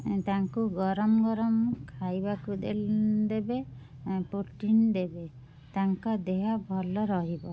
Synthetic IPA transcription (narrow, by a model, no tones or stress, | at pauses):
t̪aŋkuɡɔɾɔmɡɔɾɔmkʰajbakud̪eld̪ebe | puɾʈind̪ebe | t̪aŋkɔd̪eɦabʱɔlɔɾɔɦibɔ